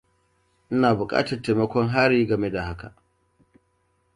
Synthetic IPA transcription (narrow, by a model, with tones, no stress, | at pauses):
ʔɪ˦naː˨bʊ˨kʼa̰ː˦tɐ˨rte˨mɐ˦kʷɔ˦ŋɦaː˦ɾiː˦ɡɐ˨me˦da˨ɦa˦ka̰˨ʔ